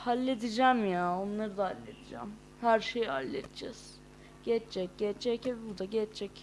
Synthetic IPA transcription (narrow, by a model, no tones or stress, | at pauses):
halʲːed̪id͡ʒæmjao̞nlˠaɾɯd̪ahalʲːed̪ʰid͡ʒæ̰m | hæɾʃejha̰lʲːet̪id͡ʒɛ̰z̥ | ɟ̥ɛt͡ʃt͡ʃɛc̚ɟɛt͡ʃːɛcebbuɾd̪aɟɛt͡ʃt͡ʃʰɛc